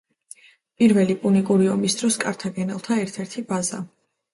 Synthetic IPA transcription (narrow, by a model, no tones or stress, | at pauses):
pʼiɾvɛlipʼunikʼuɾiɔmisd̪̥ɾɔskʼaɾt̪ʰaɡɛnɛlˠt̪ʰaɛɾt̪ʰɛɾt̪ʰibaza̰